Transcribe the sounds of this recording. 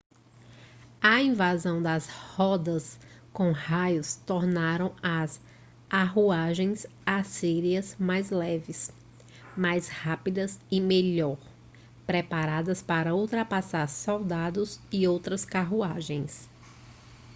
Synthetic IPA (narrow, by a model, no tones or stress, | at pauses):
ɐĩvazɐ̃w̃d̪ɐshɔd̪ɐskõhajʊst̪ɔɾnaɾɐ̃w̃ɐs | aɦuaʒẽj̃z | asiɾiɐzmajzlɛvɪs | majshapid̪ɐzɪmeʎɔɾ | pɾɛpaɾad̪ɐspaɾɐuwt̪ɾɐpasaɾsɔwd̪ad̪ʊzɪowt̪ɾɐskaɦuaʒẽj̃s